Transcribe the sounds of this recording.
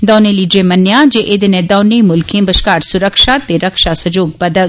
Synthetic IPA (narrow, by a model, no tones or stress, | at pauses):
d̪ɔːnẽliːɖɾemɐnjãd͡ʒeʔɪd̪enɛ̃d̪ɔːnẽmʊlkʰẽbəʃkaːɾsʊɾəkʃat̪eɾɐkʃasɐd͡ʒoːɡ̚bɐd̪əɡ